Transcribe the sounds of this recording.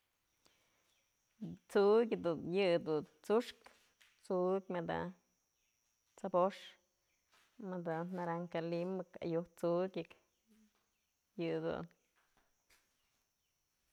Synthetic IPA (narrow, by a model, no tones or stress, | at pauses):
t͡sukʲd̪unjɨd̪unt͡suʂk | t͡sukʲmɨd̪a̰ | t͡saboʂ | mɨd̪anaɾaŋkalimɨka̰juht͡sukʲɨk | jɨd̪ṵn